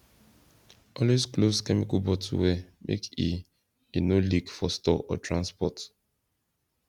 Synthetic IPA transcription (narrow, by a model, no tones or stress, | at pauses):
ʔɔlweskloskɛmikɔlbɔtwɛmʔḛkḭ | enolikfɔstɔʔɔ̰tɹãnspɔt